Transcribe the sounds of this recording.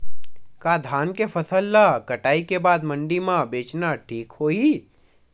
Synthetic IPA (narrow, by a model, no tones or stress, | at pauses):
kad̪ʱaːnkefəsəlːakəʈaːikebaːd̪mə̃ɳɖimãbeːt͡ʃnaʈʰiːkhoːi